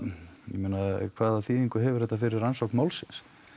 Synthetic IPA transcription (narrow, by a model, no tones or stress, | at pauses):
jɛmenakʰvaːðaθiðiŋkʏɦɛvʏ̥ɾ̥ɛht̪afɪɾɪɾansowknmaːwlsɪns